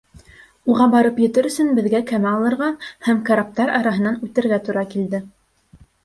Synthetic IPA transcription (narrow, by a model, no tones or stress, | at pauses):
uʁɑbɑɾɤpjɘ̆t̪ɘɾɵ̆sɵnbɘ̆ðɡækæmæɑlˠɤ̆ɾʁɑhæmkaɾap̚t̪ɑɾɑɾɑɦɤ̆nɑnʉt̪ɘ̆ɾɡæt̪uɾɑkild̪ɘ